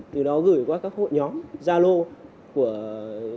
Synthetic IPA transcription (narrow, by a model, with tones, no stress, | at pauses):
t̪ɨ˨˩ɗɔ˨˦ɣɨ˧˩jkwaː˧kaː˦˥k̚ho̰˧˨jɲɔ˨˦mzaː˧lo˧ | ku˧˩ə